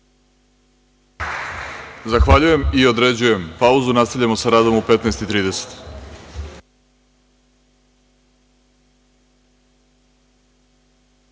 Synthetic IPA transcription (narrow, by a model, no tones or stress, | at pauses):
zaxʋaʎuje̞mio̞d̪ɾe̞d͡ʑuje̞mpauzunast̪aʋʎamo̞saɾaːd̪o̞mupe̞t̪neːst̪it̪ɾiːd̪e̞se̥t̪